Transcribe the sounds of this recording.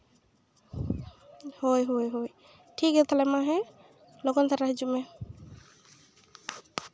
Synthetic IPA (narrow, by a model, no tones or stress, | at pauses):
hojɦojɦoj | ʈʰikɛt̪ʰalɛmaɦɛ | lɔɡɔnt̪ʰaɾaɦid͡ʒumɛ